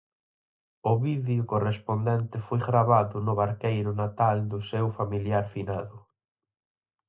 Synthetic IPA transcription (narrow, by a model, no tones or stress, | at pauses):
ʊβiðjʊkorespond̪ɛnt̪ɪfojɣɾaβaðʊnʊβaɾkejɾʊnat̪ald̪ʊsewfamiljaɾfinaðʊ